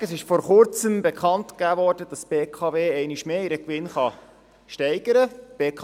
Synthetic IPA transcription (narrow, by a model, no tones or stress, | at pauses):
əsɪʃfɔɾχʊɾt͡səmbɛkχɑntkæːvɔːrdəd̥ɑsb̥eːkʰɑveːɛɪniʃmeːiɾəkʋɪnχɑ | ʃtɛɪɡəɾəb̥eːkʰɑ